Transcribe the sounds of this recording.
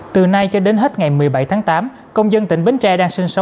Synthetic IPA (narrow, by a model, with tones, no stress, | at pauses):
t̪ɨ˨˩na˧jt͡ɕɔ˧ɗe˨˦nɦe˦˥t̚ŋa˨˩jmɨ˨˩əjɓa˧˩jt̪ʰaː˨˦ŋt̪aː˨˦m | kə˧wŋ͡mzə˧nt̪ï˧˩ŋ̟ɓï˨˦ŋ̟t͡ɕɛ˧ɗaː˧ŋsï˧ŋsə˨˦w